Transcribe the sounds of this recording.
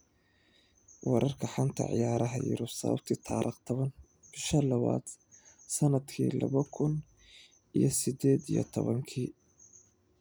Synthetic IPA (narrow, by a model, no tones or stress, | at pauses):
wɑɾʔɐrkʰɐħant̪ʰɐ̰ʕɪ̰jaːɾʔɐɦɐjɪ̰ɾʊsɐβɐ̰b̚t̪ʰiːt̪ʰaːɾʔɪqt̪ʰɔβɐn | b̥ɪʃɐlɐβa̰ːd̪̥ | sɐnɐd̪kʰḭːlɐβɐkʰʊn | ʔijɞsɪd̪ɛːd̪ḭjɔ̰t̪ʰɔβɐŋkʰiː